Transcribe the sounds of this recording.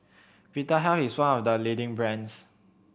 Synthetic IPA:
pitəɦɛiswãnɔfdəlidɪ̃ŋbɹɛ̃ns

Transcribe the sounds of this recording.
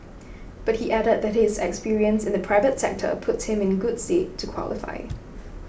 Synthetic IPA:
b̥ʌt̚hiʔæɾəd̪̚ðɛt̚hɪzɛkspiɹiə̃nsɪ̃nðəpʰɹ̥aɪvətsɛ̰k̚tʰə̰pʰʊtshɪ̃mɪ̃nɡʊd̥stetʰːukʰw̥ɔ̰lɪfa̰ɪ

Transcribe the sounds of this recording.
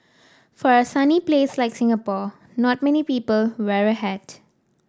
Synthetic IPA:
fɔɹəsanipleːslaɪksɪ̃ŋapɔ | nɔt̚mɛnipiːpəlwɛɹəɦɛd̥

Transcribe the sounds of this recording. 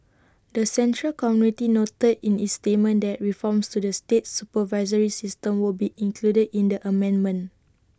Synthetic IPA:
dəsɛ̃ntɹəlkɔmjunitinotədĩnitstet̚mə̃ndɛʔ̚ɹifɔ̃mstudəstet̚supəvaɪzəɹisistə̃mwilbiʔĩŋkʰludədĩndəʔəmɛ̃nmə̃n

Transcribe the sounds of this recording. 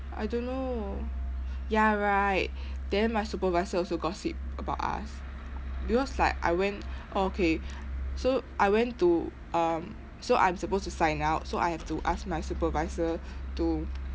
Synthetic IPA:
ʔa̰ɪdõnːo | jaɹaɪt̚ | dɛ̃nmajsupəvaɪzəɔlsoɡɔtsḭp̚əbaʊta̰s | bikʰɔslaɪkʔa̰ɪwɛ̃ntʔookʰesoʔaɪwɛ̃ntu | ʔʌ̃m | soʔã̰ɪ̃msəpostusãɪ̃naʊt̚soʔa̰jhɛftuʔask̚majsupəvaɪzətu

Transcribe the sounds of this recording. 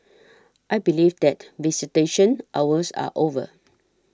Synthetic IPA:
ʔajbilivdɛtvisiteʃə̃nʔawəsa̰ʔovə̰

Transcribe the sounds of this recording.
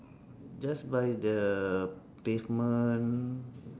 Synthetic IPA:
d͡ʒasbajdə | pefmə̃n

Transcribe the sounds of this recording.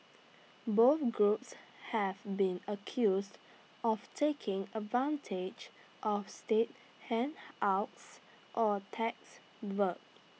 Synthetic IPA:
boθɡɹupshɛvbĩnəkʰjusd | ʔɔftʰekʰɪ̃ŋədvãntʰed͡ʒ | ʔɔfstet̚ | hɛ̃naʊts | ʔɔtʰɛk̚s | wək̚

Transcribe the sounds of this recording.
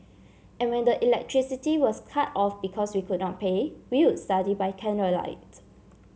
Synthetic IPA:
ɛ̃nwɛ̃ndəʔilɛk̚tʰɹisitiwɔskʰatɔfbikʰɔswikʰud̚nɔt̚pʰewiwudstadibaɪkʰɛ̃nɹəla̰ɪt

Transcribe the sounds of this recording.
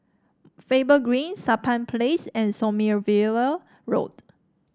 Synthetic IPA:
febəɡɹĩnsapʰãnpʰlesɛ̃nsɔmiəvilə | ɹo̰t

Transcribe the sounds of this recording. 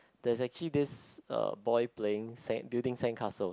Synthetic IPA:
d̥ɛsɛk̚t͡ʃəlidɪsʌ̰bɔjpleɪ̃ŋsɛ̰̃ŋbildɪ̃ŋsɛ̃ŋkʰasəl

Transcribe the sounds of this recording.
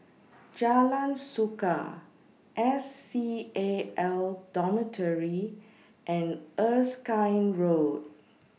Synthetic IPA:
d͡ʒalãnsukə | ʔɛsːieɛldɔmətʰəɹi | ʔɛ̃nəskãɪnɹod̚

